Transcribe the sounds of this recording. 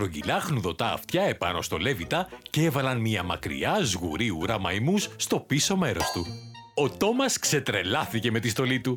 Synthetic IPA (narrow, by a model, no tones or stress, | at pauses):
pɾoɟḭlɐxnuðo̞t̪ɐ̰ːft̪çɐe̞pɐ̰no̞̰st̪o̞le̞vit̪ɐceevɐlɐnmiɐmɐ̰kɾḭɐzɣṵɾiuɾɐmɐ̰jmusːt̪o̞piso̞me̞ɾo̞st̪u | o̞t̪o̞mɐskse̞t̪ɾe̞lɐθice̞me̞t̪ist̪o̞lit̪u